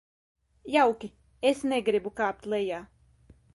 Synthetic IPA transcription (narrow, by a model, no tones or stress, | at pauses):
jawkʲi | esnɛɡɾibukaːp̚t̪lˠɛjaː